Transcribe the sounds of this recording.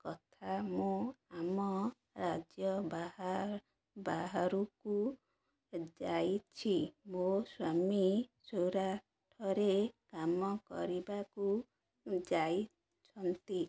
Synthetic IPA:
kɔt̪ʰamũamɔ | ɾad͡ʒjɔbaha | baɦaɾuku | d͡ʒajt͡ʃʰimoswamisoɾa | ʈʰɔɾekamɔkɔ̰ɾibaku | d͡ʒaj | t͡ʃʰɔnt̪i

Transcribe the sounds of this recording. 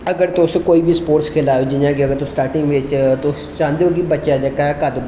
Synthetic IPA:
əɡəɾt̪oʊskoːiːbʱiːspoːɾʈskʰɪlaːod͡ʒɪnãːɡiəɡəɾt̪osʈaːɾʈɪ̃ŋɡʋeːt͡ʃt̪ost͡ʃãːnd̪eoːɡibətːʃaːd͡ʒəkakad̪b

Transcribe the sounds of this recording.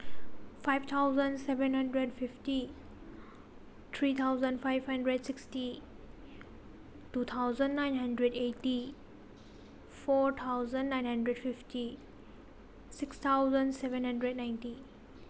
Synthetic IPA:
fajvt̪ʰawzə̃ndsɛvɛ̃nɦə̃ndɾedfifti | t̪ʰɾit̪ʰawzə̃ndfajvhɐ̃ndɾedsiksti | tut̪ʰawzə̃ndnajnɦə̃ndɾɛdeti | fɔɾt̪ʰawzə̃ndnãj̃nhə̃ndɾɛdfiftʰi | sikst̪ʰawzə̃ndsɛvɛ̃nhə̃ndɾɛdnaj̃nti

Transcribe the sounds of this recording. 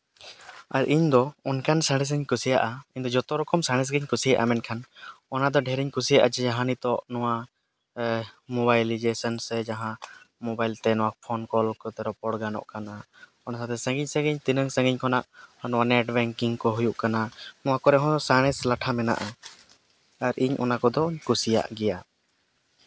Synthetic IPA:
aɾʔiɲd̪ɔɔnkʰansaɽ̃ɛs̬əɲkusija̰ʔaiɲd̪ɔd͡ʒɔt̪ɔɾɔkɔmsaɽ̃ɛs̬ɡiɲkusijaʔa̰mɛnkʰanɔnad̪ɔɖʱɛɾiɲkusijaʔad͡ʒɛd͡ʒaɦãnit̪ɔʔnɔwa | mɔbajlid͡ʒɛsɔnsɛd͡ʒaɦã | mɔbajlt̪ɛnɔwapʰɔnkɔlkɔt̪ɛɾɔpɔɽɡanɔ̰ʔkana | ɔnasat̪ɛsə̃ŋɡiɲsə̃ɡiɲt̪inəŋsə̃ŋɡiɲkʰɔnaʔnɔwanɛʈbɛŋkiŋkɔɦujuʔkananɔwakɔɾɛɦɔ̃saɽ̃ɛslaʈʰamɛna̰ʔa | aɾʔiɲʔɔ̰nakɔd̪ɔɲkusija̰ʔɡɛja

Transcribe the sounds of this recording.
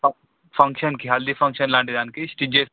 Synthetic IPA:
fʰɐ̃ŋkʃənkiɦald̪ifʰɐ̃ŋkʃənlãːɳɖid̪aːnkisʈid͡ʒe

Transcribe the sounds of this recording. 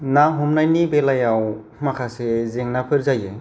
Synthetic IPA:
naɦumnajnibelajaw | makʰasezeŋnapʰɯɾzaje

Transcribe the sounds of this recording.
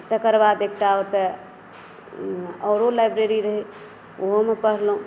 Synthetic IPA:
t̪əkəɾbad̪ekʈaot̪ə | əːɾolajbɾeɾiɾəɦi | oɦomepəɽɦlɦũ

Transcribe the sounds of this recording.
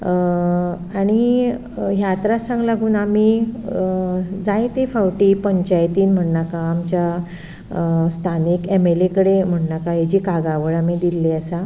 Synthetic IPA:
aɽ̃i | ɦjat̪ɾasãŋɡlaɡuːnami | d͡zajt̪efawʈiːpəɲt͡ɕajt̪iːnm̤əɳnakaːmt͡ɕja | st̪ʰanikemelekəɽem̤əɳɳakaɦed͡ʑikaɡaʋəɭamid̪ilːeəsa

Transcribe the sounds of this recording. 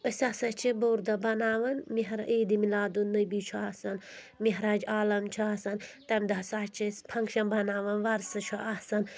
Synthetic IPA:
əsasɐt͡ʃʰiboːɾd̪ɐbɐnaːʋɐnmiɦɾaʔiːd̪imilaːd̪unːɨbit͡ʃʰuaːsɐn | miɦɾaːd͡ʒaːlɐmt͡ʃʰuaːsɐnt̪ɐmd̪ɐsaːt͡ʃʰispʰɐŋkʃɐnbɐnaːʋɐnʋɐɾsɐt͡ʃʰuʔasɐn

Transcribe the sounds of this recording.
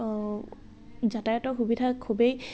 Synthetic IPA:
zatajɔtɔxubidʱakʰubej

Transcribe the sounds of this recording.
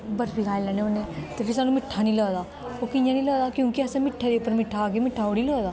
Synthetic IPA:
bəɾbikaːilɛneonet̪epʰisaːnũmɪʈʰːanĩːləːd̪aː | okijãːnĩːləːd̪aːkjõːkiɐsãmɪʈʰːad̪eʊpːəɾmɪʈʰːaːkemɪʈʰːaːoɽiləːd̪aː

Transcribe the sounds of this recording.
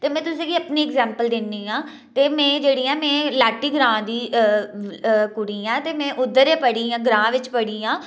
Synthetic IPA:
t̪eːmɛ̃ːt̪ʊsĩːɡiːəpniːɛɡzɛ̃ːmpəld̪ɪnd̪iːãː | t̪eːmɛ̃ːd͡ʒeːɽiːɛːmɛ̃ːlaːʈiːɡɾãːd̪iː | kʊɽiːãːt̪eːmɛ̃ːʔʊd̪ːəɾẽːpəɽiːãːɡɾãːʋɪt͡ʃpəɽiːãː

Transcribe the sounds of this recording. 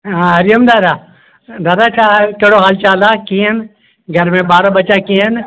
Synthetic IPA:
ãɦɐɾɪjəmd̪aːd̪aː | d̪aːd̪at͡ʃʰakəɽoɦaːlt͡ʃaːlakĩːən | ɡʱəɾmẽbaːɾabɐt͡ʃakĩːɦən

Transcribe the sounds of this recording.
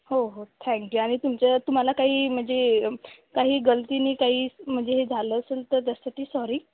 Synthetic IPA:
ɦoɦot̪ʰɛ̃ŋkjuːaɽ̃it̪umt͡ɕat̪um̤alakaɦiːm̤əɳd͡ze | kaɦiːɡəlt̪iːnikaɦiːm̤əɳd͡zeɦed͡zʱaləːəselt̪əɾt̪̬jasaʈiːsɔɾiː

